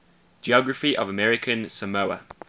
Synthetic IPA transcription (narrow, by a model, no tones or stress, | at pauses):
d͡ʒiɔɡɹəfiʔə̰vəmɛɹɪkʰə̃nsəməʊə̰